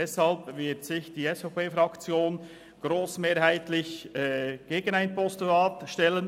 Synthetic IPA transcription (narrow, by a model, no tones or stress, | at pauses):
ɛshɑlpvɪtsɪçd̥iːɛsfopeːfɾɑkt͡sjoːn | ɡ̥ɾoːsmeːɾhaɪt̪lɪçɛɡ̥eːɡənaɪnpɔstuaːtʃtɛlən